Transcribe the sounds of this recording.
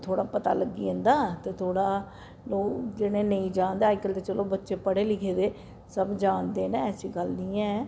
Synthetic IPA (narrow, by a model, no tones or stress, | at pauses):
t̪ʰoːɽaːpət̪a̰ːləɡːḭːə̃nd̪aːt̪eːt̪ʰoːɽaː | loːkd͡ʒeɽẽːnəĩːd͡ʒãːnd̪eaːɪkəlt̪eːt͡ʃəloːbətːʃeːpəɽeːlɪːkʰeːd̪eː | səbd͡ʒaːnd̪eːnɛːɛːsiːɡəlnĩːɛː